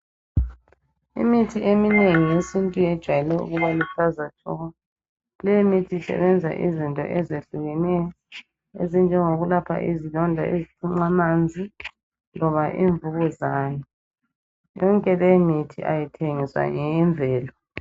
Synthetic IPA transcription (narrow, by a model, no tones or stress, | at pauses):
ḭmitʰiʔemineŋijesintʼuɛd̥ʒ̥ʱwajɛlɛṵɣuβalifʰazat͡ʃʰʼɔ̰ːɣɔ | lɛjimitʰisɛ̰βɛnd͡zʱa̰ʔizintʼɔ̰ʔɛzeɬuɣɛnɛjɔ | ezind͡ʒʱɛŋoɣulapʰa̰ʔizilɔndʱa̰ʔezitʰuŋ͡ǀamand͡zʱi | lɔβaʔḭːɱvuɣɔzaːnɛ | jɔŋkʼɛlemitʰḭʔa̰jitʰeŋiswa̰ŋɛɱbvʱɛːlɔ